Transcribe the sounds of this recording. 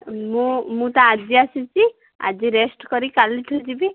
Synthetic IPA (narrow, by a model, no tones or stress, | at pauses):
mũmũt̪aːd͡ʒiasut͡ʃi | a̰d͡ʒiɾesʈkɔɾikaliʈʰud͡ʒibi